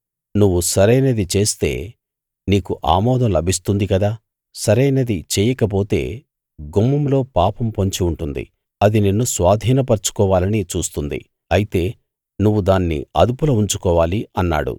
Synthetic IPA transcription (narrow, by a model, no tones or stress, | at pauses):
nuʋːusɐɾɐjnɐd̪it͡ʃe̞ːst̪e̞̰ː | niːkuʔa̰ːmɔːd̪ʱɐmlɐbʱist̪und̪ikɐd̪aː | sɐɾɐjnɐd̪it͡ʃɛːjɐkɐp̬o̞ːt̪e̞ː | ɡumːɐmlo̞ːpaːpɐmpoɲt͡ʃiuɳʈund̪ḭ | ɐd̪ininːusʋaːd̪ʱiːnɐpɐɾt͡ʃu̥kɔːʋaːlɐnit͡ʃuːst̪und̪ḭ | ɐjit̪e̞ː | nuʋːud̪aːnːḭɐ̰d̪upulɐuɲt͡ʃukɔːʋaːliɐnːa̰ːɽṵ